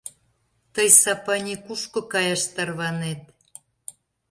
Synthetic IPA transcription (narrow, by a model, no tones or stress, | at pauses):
t̪əjsɑpɑnʲekuʃkokɑjɑʃt̪ɑrβɑnet̪̚